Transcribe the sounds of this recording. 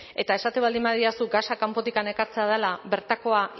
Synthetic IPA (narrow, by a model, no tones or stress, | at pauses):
e̞t̪ae̞sat̪e̞βald̪imbaðiasuɡasakampo̞t̪ikane̞kaɾt͡seað̞elaβe̞ɾt̪ako̞a